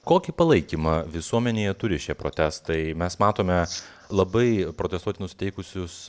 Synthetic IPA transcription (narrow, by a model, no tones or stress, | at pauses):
koːkʲipɐlˠɐɪkʲimɐʋʲɪsuɔmʲɛnʲeːjɛt̪ʊɾʲɪʃʲiɛpɾo̰t̪ʲæst̪ɐɪmʲɛsmɑːt̪oːmʲɛ | lˠɐbɐɪpɾoːt̪ʲɛst̪uɔt̪ʲɪnʊsʲɪt̪ʲɛɪkʊsʲʊs